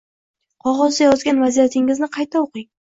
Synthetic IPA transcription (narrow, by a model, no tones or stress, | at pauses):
qʰɒʁɒzd̪ajɒzɡʲanvazijat̪ʰɪŋɪznɪqʰɑjt̪ʰaoqɪŋ